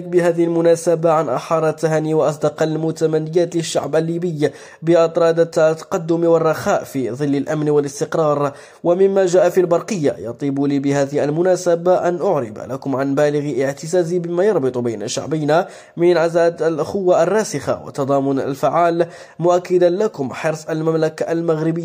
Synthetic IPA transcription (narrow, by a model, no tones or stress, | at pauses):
k̚bɪhæːðɪhilmʊnæsabaʕanʔɑħɑːɾˤt̪ːaɦæːniwʔɑs̬ˤd̪ɑqɑlmʊt̪amanːɪjaːt̪lɪʃːa̰ʕbalːiːbəj | bəʔɑt̪ˤɾˤɑːd̪at̪ːɑ̥qɑd̪ːʊmwərˤːɑxaːʔfiðˤɨlːalʔamnwəlɪst̪ɪqɾˤɑːɾˤ | wamɪmːaʒaːʔafilbɑɾˤqəjːa̰jɑ̰t̪ˤiːbulibɪhæːðɪhʔalmʊnasabaʔanʔʊʕɾɪ̰ba̰lakʊmʕanbæːlɪɣʔəʕt̪ɪzaːzibɪmajɑɾˤbɨt̪ˤubajnaʃːa̰ʕbæjna | mɪnʕazaːd̪alʔaxʊwːaʔarˤːɑːsɪxa̰wə̰t̪ːɑd̪ˤɑːmʊna̰lfaʕːaːl | mʊʔakːad̪anlakʊmħɑɾsˤalmamlakaʔlmaɣɾɪbəjːa